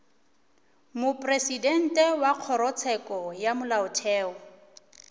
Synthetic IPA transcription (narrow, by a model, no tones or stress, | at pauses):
mʊpʼresidɛn̩tʼɛwaq͡χʰɔɾɔt͡sʰɛkʼɔjamʊlaʊtʰɛːɔ